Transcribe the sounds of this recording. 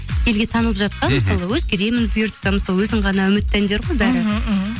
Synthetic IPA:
kʲʰe̞lɡʲe̞t̪ʰɑnəlˠəpʒɑt̪̚qɑnməsɑlˠəwɵzɡʲeɾe̞mɪnbʊjʊɾt̪ːɑməsɑlˠwɵzɪɴʁɑnɑɵmɪt̪ːænd̪eɾʁojbæɾɪ

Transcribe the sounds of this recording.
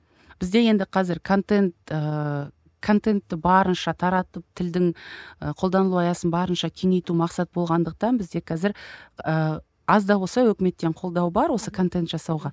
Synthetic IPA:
b̥ɪzd̪e̞je̞nd̪ɪqʰɑzɪɾkʰo̞nt̪e̞nt̪ə | kʰo̞nt̪e̞nt̪ːɪbɑɾənʃɑt̪ʰɑɾɑt̪əp̚t̪ʰɪld̪ɪŋəqʰo̞ld̪ɑnəlˠuɑjɑsənbɑɾənʃɑkʲʰe̞ŋe̞jt̪umɑqsɑt̪əbo̞lˠʁɑnd̪əq̚t̪ɑnbɪzd̪e̞qʰɑzɪɾə | ɑzd̪ɑwo̞sɑwɵkʲɪme̞t̪ːe̞ɴqʰo̞lˠd̪ɑwbɑɾwo̞səkʰo̞nt̪e̞nt̪ʒɑsɑwʁɑ

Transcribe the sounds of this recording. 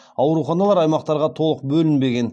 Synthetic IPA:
ɑwɾuχɑnɑlˠɑɾɑjmɑq̚t̪ɑɾʁɑt̪ʰo̞lˠəq̚bɵlɪnbe̞ɡʲe̞n

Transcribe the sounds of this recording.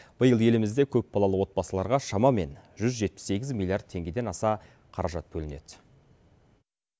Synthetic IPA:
b̥əjəlˠe̞lɪmɪzd̪e̞kʲʰɵp̚bɑlˠɑlˠəwo̞t̪̚bɑsəlˠɑɾʁɑʃɑmɑme̞̰nʒʏzʒe̞t̪̚pɪ̥sːe̞ɡʲɪzmʲilˠijard̪̚t̪ʰe̞ŋɡʲe̞d̪e̞nɑsɑ | qʰɑɾɑʒɑt̪̚bɵlɪne̞d̪̥

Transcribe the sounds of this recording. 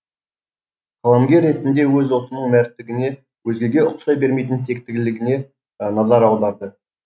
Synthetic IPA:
qʰɑlˠɑmɡʲe̞ɾːe̞t̪ɪnd̪e̞wɵzolˠt̪ənəɴmæɾt̪ːɪɡʲɪne̞ | wɵzɡʲe̞ɡʲe̞ʊqsɑjbe̞ɾme̞jt̪ɪnt̪ʰe̞k̚t̪ɪɡʲɪlɪɡʲɪne̞ | nɑzɑɾɑwd̪ɑɾd̪ə

